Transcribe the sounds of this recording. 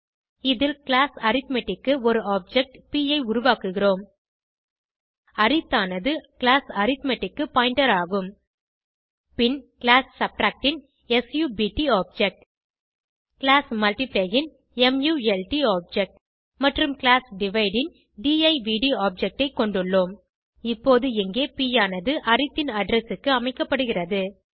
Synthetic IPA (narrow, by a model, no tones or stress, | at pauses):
ɪðɪlklaːsɐɾɪt̪mɛʈːɪkːɯɔɾɯaːp̚d͡ʒɛk̚ʈpiːɐɪʊɾʊʋaːkɯɣɪroːm | ɐɾɪt̪ːaːnɐðɯkɪlaːsɐɾɪt̪mɛʈːɪkːɯpaːɪɳɖɐɾaːɣɯm | pɪnkɪlaːssɐp̚ʈɾaːk̚ʈɪn | ɛsjuːbiːʈiaːp̚d͡ʒɛk̚ʈ | kɪlaːsmɐlʈɪpleːɣɪn | ɛmjuːɛlʈiaːp̚d͡ʒɛk̚ʈ | mɐʈrɯmklaːsɖɪʋɐɪɖɪn | ɖiːɐɪʋiːɽiaːp̚d͡ʒɛk̚ʈɐɪkːɔɳɖɯɭːoːm | ɪpːoːðɯɛŋɡeːpiːjaːnɐðɯʔɐɾɪt̪ːɪnɐɖɾɐsɯkːɯɐmɐɪkːɐpːɐɽɯɣɪrɐðɯ